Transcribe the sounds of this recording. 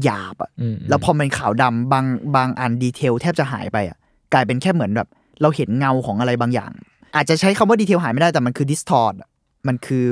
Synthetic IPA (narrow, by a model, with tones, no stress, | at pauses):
jaː˨˩p̚ʔa̰˩lɛː˦˥wpʰɔː˧me˧nkʰaː˩˦wda˧mbaː˧ŋbaː˧ŋʔa˧˩ndiː˧t̪ʰeː˧wt̪ʰɛː˥˩p̚t͡ɕa˨˩ɦa̰ː˩˦jpa˧jʔa̰˨˩ | klaː˧jpe˧nkʰɛː˥˩mɯ˩˦ənbɛː˨˩p̚ | ɾa˧whe˩˦nŋa˧wkʰɔː˩˦ŋʔa˧ɾa˧jbaː˧ŋja̰ː˨˩ŋ | ʔaː˨˩t̪̚t͡ɕa˨˩ʔt͡ɕʰa˦˥jkʰa˧mwaː˥˩di˧t̪ʰeː˧wɦaː˨˩˦ma˥˩jdaː˥˩t̪ɛ˨˩m˧nkʰɯː˧di˦˥st̪ʰɔː˧˩t̪̚ʔa˨˩ | ma˧nkʰɯː˧